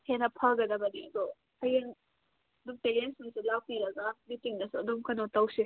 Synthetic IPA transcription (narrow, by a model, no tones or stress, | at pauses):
henɐpʰɐɡɐd̪ɐbɐniɐd̪ɔ | hɐjen | d̪umpeɾensmiselawpiɾɐɡamitiŋnɐsuɐd̪umkʰɐnotɐwse